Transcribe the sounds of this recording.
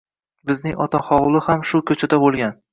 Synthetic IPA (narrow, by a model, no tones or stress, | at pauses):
bɪznɪŋʔɒ̰t̪ʰaχɒwlˠɪhamʃʊkʲʰɵt͡ʃʰad̪abolˠɡʲan